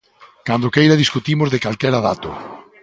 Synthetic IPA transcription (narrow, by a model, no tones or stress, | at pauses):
kand̪okejɾaðiskut̪imʊzðekalkɛɾaðat̪ʊ̰